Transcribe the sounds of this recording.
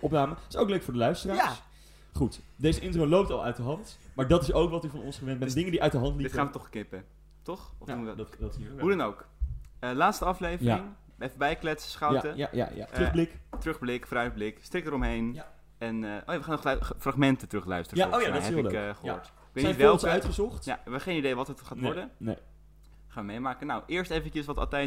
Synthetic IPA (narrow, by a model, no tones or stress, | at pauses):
ʔɔpnaːməɪ̥sowkløɥkfʊːɹdəlœɥstəraːs | χutdejzəʔɪntrolowp̚tɑlˠœ̰ɥtdəɦɑntmaːɹdɑtɪsowkʋɑtyvɑnɔ̰nsχəʋɛnt̚bɛndɪŋəndiʔœɥtdəɦɑntlitaːnʋətɔχknɪpə | tɔχutsiɦudɑnowkəlaːtstəɑflejvəaɪŋ | ɛfəbɛjklɛtsə̥sχɑwatəja̰ja̰ja̰trɵχblɪktrɵχblɪkfoːɾœɥd̚blɪkstrɪk̚əɾɔmɦejn | ɛnəʔoːjaʋəχaːnχfraχmɛntətrɵχlœ̰ɥstərəaojaɛkχəɦʊ̰ːɹt | ɪkʋejtnitʋɛlˠkœtχəzɔχtja̰ʋəχejnidejʋɑtətχaːtʋɔɹdəne | χaːnʋəmejmaːkənawʔɪːɹstejvəncəsʋɑtɑ̰lˠtɛj